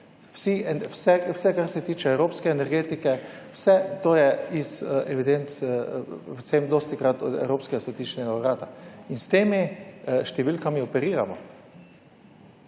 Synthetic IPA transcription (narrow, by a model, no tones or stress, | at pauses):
wsiɛwsɛwsɛkaɾsɛt̪iːt͡ʃɛɛwɾoːpskɛːnɛɾɡeːt̪ikɛ | wsɛt̪oːjɛisʔɛʋid̪ent̪spɛt̪semd̪oːst̪ikɾat̪ɔd̪ɛ̰wɾoːpskɛɡasʋɛt̪it͡ʃnɛɡauɾaːt̪ainst̪eːmiʃt̪ɛʋilkamiɔpɛɾiːɾa̰mɔ